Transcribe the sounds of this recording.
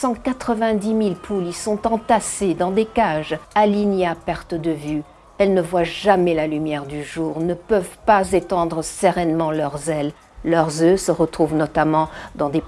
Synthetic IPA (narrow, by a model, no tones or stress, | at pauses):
sɑ̃kat̪χəvɛ̃d̪imilpʰulisɔ̃t̪ɑ̃t̪ased̪ɑ̃d̪ekaʒaliɲeapɛʁt̪əd̪əvy | ɛlnəvwaʒamɛlalymjɛʁd̪yʒuːʁnəpəvpazet̪ɑ̃d̪ʁəsəʁɛnmɑ̃lœʁzɛlː | œʁzøsəʁət̪χuvnɔt̪amɑ̃d̪ɑ̃d̪ep